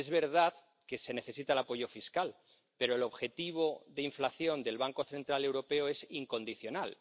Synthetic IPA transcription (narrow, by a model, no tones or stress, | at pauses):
ezβe̞ɾðað | ke̞se̞ne̞θe̞sit̪aelapo̞ʝo̞fiskal | pe̞ɾo̞elo̞βxe̞t̪iβ̞o̞ðe̞iɱflaθjo̞nd̪e̞lβaŋko̞θe̞nt̪ɾale̞wɾo̞pe̞oe̞siŋko̞nd̪iθjo̞nal